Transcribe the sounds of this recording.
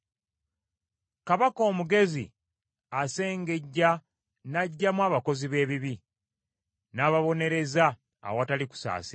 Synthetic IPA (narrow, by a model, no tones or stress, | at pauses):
kaβako̞ːmuɡe̞zḭ | ase̞ːŋɡe̞ɟːa | naɟːamwaːβako̞ziβe̞ːβiβi | naːβaβo̞ne̞ɾe̞za̰ː | wataliku̥sa̰ːse